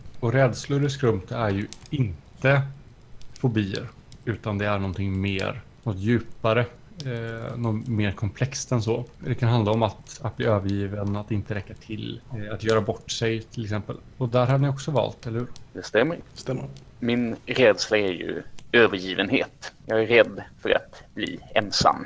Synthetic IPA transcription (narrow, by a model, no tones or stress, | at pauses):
ɔɾɛːd̪slʊɾɪskɾɵmt̪ʰæɾjɵɪnt̪ə | fʊbiːə̰ɾ | ʉ̟ːt̪and̪ɛæɳɔnt̪ʰɪŋmḛːɾ | nɔt̪ːjʉ̟ːpaɾə | nɔmeːɾkʰɔmpʰlɛkst̪ɛnsoːd̪ɛkʰanɦand̪aɔmat̪at̪̚bliːøːvəɾjiːvənat̪ːɪnt̪əɾɛkːat̪ʰɪlat̪jœːɾabɔʈːsɛjt̪ʰɪlɛksɛmpə̰l | ɔd̪æɾɦad̪ənɪɔksɔvɑ̰ːlt̪ɛləhʉ̟ːɾd̪ɛst̪ɛmːəɾsɛ | mɪnɾɛːd̪slaæɾjɵ̰øːvəɾjiːvənhḛːt̪jɑːɡæɾɛd̪ːfœɾa̰t̪blḭːɛnsa̰mː